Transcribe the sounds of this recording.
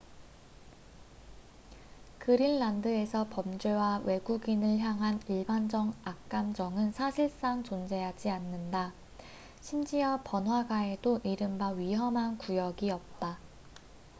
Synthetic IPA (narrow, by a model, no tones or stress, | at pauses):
kɯɾinːandɯe̞sʰʌpʌmd͡ʑwe̞wawe̞ɡuɡinɯɭçjaŋɦaniɭband͡ʑʌŋak̚k͈amd͡ʑʌŋɯnsʰaɕʰiɭs͈aŋt͡ɕond͡ʑe̞ɦad͡ʑianːɯnda | ɕʰimd͡ʑiʌpʌnwaɡae̞doʔiɾɯmbaɥiɦʌmɦankujʌɡiʌp̚t͈a